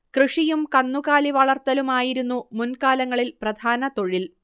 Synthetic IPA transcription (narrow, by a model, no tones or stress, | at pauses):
krɨʂijumkɐnːukaːliʋɐɭɐrt̪ːɐlumaːjiɾunːumunkaːlɐŋːɐɭilprɐd̪ʱaːnɐt̪o̞ɻil